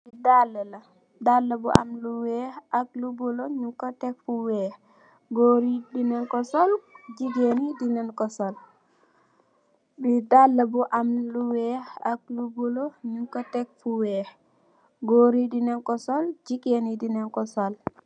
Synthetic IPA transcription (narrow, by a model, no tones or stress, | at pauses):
bidalːala | dalːabuʔa̰mluwɛhak̚luboloɲukatɛk̚fuwɛh | ɡoɾidinɛnkɔsɔld͡ʒiɡenidinɛnkɔsɔl | bidalːabuʔamluwɛhak̚luboloɲukːatɛk̚fuwɛːh | ɡoːɾidinɛnkɔsɔld͡ʒiɡenidinɛnkɔsɔl